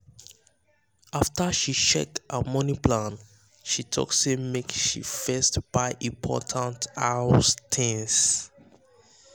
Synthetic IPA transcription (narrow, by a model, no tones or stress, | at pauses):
aftəʃiʃɛk̚təmɔniplãn | ʃitʰɔ̰ksemekʃḭfɛstb̥aɪʔĩmpʰɔ̰tʰãntastʰĩŋs